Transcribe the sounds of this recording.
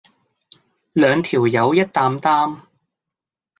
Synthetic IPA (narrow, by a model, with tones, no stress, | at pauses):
lœː˨˧ŋt̪ʰiː˨˩wjɐ˨˧wjɐ˥t̚t̪aː˧mt̪aː˥m